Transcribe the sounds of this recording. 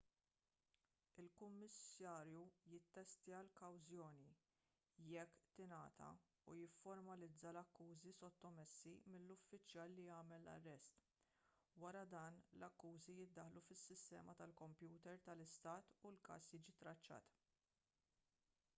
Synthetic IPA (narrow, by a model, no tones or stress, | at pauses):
ɪlkʊmːɪsɐːɾjujɪt̪ːɛst̪iɐlkɐwzjɔːni | jɛkːt̪ɪnɐːt̪ʰɐ̰ | ujɪfːɔɾmɐlɪd͡zːɐlɐkːuːzisɔt̪ːɔmɛsːimɪlːʊfːɪt͡ʃjɐːlːijɐːmɛlːɐ̰rːɛst̪ | wɐɾɐd̪ɐːnlɐkːuːzijɪd̪ːɐħlufɪsːɪst̪ɛ̰ːmɐt̪ɐlkɔmpjuːt̪ɛɾt̪ɐlɪst̪ɐːt̪ulkɐ̰ːsjiːd͡ʒit̪ɾɐt͡ʃːɐ̰ːt̪